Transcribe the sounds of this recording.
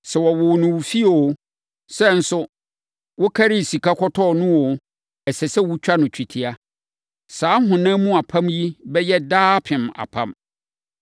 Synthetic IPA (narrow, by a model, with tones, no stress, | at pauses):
sɛ˨wɔ˨wʊ˨nʊ̃˨wʊ˨fi˦o˨o˦ | sɛ˦n̩˦sʊ˦ | wʊ˦kʰa˦ɾi˦˨si˨kʰa˦kʰɔ˦tʰɔ˦˨nʊ̃˦wɔ˨ | ɛ˨sɛ˨sɛ˦wu˦t͡ɕᶣa˦nʊ̃˨t͡ɕᶣʰi˨tʰi˨a˦ | saː˨˦ɦʊ̃˨nã˦mũ˦a˨pʰã˦mji˦bɛ˦jɛ˦daː˦pʰɪ̃˨ma̰˨pʰã̰˦m